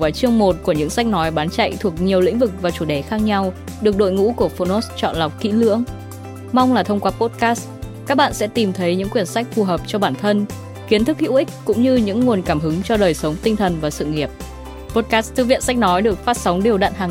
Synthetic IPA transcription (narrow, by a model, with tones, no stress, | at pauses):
vaː˨˦jt͡ɕɨ˧əŋmo˨˩t̚ku˧˩əɲɨ̰˧˥ŋsa˦˥k̟̚nɔ˨˦jɓaː˨˦nt͡ɕa̰˧˨jt̪ʰu˨˩ək̚ɲi˨˩əwlḭ˧˥ŋ̟vɨ˨˩k̚vaː˨˩t͡ɕu˧˩ɗe˧˩xaː˦˥k̚ɲa˧w | ɗɨ˨˩ək̚ɗo̰˧˨jŋṵ˧˥ku˧˩əfo˧no˦˥st͡ɕɔ̰˧˨nla˨˩wk͡p̚kḭ˧˥lɨ̰˧˥əŋ | ma˧wŋ͡mlaː˨˩t̪ʰə˧wŋ͡mkwaː˨˦˥po˦˥t̚kaː˦˥s | kaː˦˥k̚ɓa̰ː˧˨nsɛ̰˧˥t̪i˨˩mt̪ʰə˨˦jɲɨ̰˧˥ŋkwi˧˩ənsa˦˥k̟̚fu˨˩ɦəː˨˩p̚t͡ɕɔ˧ɓaː˧˩nt̪ʰə˧n | ki˨˦ənt̪ʰɨ˦˥k̚hḭ˧˥wʔï˦˥k̚kʊ̰˧˥ŋ͡mɲɨ˧ɲɨ̰˧˥ŋːu˨˩ənkaː˧˩mɦɨ˨˦ŋt͡ɕɔ˧ɗəː˨˩jsə˨˦wŋ͡mt̪ï˧ŋt̪ʰə˨˩nvaː˨˩sɨ̰˧˨ŋi˨˩əp̚ | po˦˥t̚kaː˦˥st̪ʰɨ̰˧vḭ˧˨ənsa˦˥k̟̚nɔ˨˦jɗɨ˨˩ək̚faː˦˥t̚sa˨˦wŋ͡mɗi˨˩əwɗa̰ː˧˨nɦaː˨˩ŋ